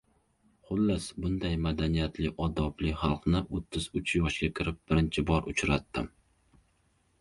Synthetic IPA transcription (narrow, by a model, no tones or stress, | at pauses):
χʊlːasbʊnd̪ajmad̪anijat̪lɪʔɒd̪ɒblɪχɑlˠqnɪʔot̪ʰːɪz̥ʊt͡ʃʰjɒʃɡʲakʲʰɪɾɪp̚b̥ɪɾɪnt͡ʃʰɪbɒɾʔʊt͡ʃʰɾat̪ːɪm